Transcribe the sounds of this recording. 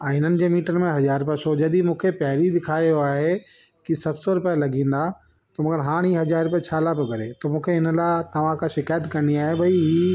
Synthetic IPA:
ãɦɪn̤ənɪ̆d͡ʑeːmiːʈənmẽɦɐzaːɾpɐsod͡ʑɐd̪imũːkʰepɛɦɪɾid̪ɪkʰaːijoaːɦe | kisɐt̪sɔɾʊpalɐɡĩːn̆d̪a | t̪ɐmɐɡəɾɦaːɽ̃iːɦɐzaːɾʊpjat͡ɕʰaːlaboɡɐɾet̪omũːkʰeɦɪnəlaɪt̪ɐʋ̤ãkʰãʃɪkaːjət̪kɐniaːɦebʱɐiɦi

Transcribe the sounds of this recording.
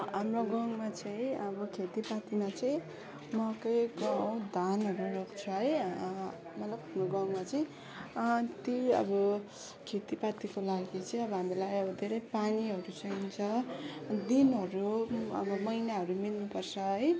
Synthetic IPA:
ɦamroɡʌŋmat͡sʌj̃ʌbʌkʰet̪ipat̪imat͡sʌ̃ĩ | mʌkʌjɡaw̃d̪ʱanɦʌɾurokt͡sʰʌɦʌj | mʌlabɦamroɡʌŋmat͡sʌĩ | t̪joʌ̰bʌ | kʰet̪ipat̪ikolaɡit͡sʌĩʌbʌɦamilajʌbʌd̪ʱeɾʌjpaniɦʌɾut͡sʌint͡sʰʌ | d̪inɦʌɾuʌ̰bʌmʌjnaɦʌɾumilnupʌrt͡sʰʌɦʌj

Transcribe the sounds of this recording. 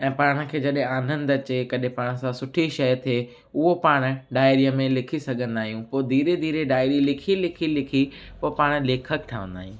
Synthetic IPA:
ɛ̃ːpaːɽ̃ə̆kʰeːd͡ʑɐɗɦẽaːnə̃nd̪ɐt͡ɕekɐɗɦɪ̃paːɽ̃̆sãsʊʈʰiʃɐjt̪ʰeː | ʊɦopaːɽ̃ʊ̆ɖaːɪɾiəmẽlɪkʰisɐɡʱə̃nd̪aːɦijũpoːd̪ʱiːɾed̪ʱiːɾeɖaːɪɾilɪkʰilɪkʰilɪkʰipoːpaːɽ̃̆leːkʰək̚ʈʰaːʋə̰̃nd̪a̰ːɦĩː

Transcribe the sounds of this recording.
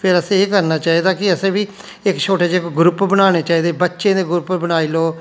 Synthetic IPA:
pʰɪɾəsẽːeːkəɾnaːt͡ʃaːiːd̪aːkɪəsẽːʋiː | ɪkʃʰoːʈeːd͡ʒeɪkɡɾʊpbənaːɽ̃eːt͡ʃaːiːd̪eːbətːʃẽːd̪eːɡʊɾʊpbənaːiːloː

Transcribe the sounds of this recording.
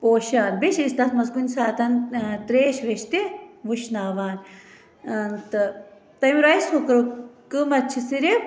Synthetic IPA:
poːʃaːnbiʃist̪ɐsmɐzɡunʲsaːt̪ɐnt̪ɾeːʃʋeʃt̪iʋuʃnaːʋaːn | nt̪ɨ | t̪ɐmiɾɐjshokɐɾukɨmɐt͡ʃʰisiɾi

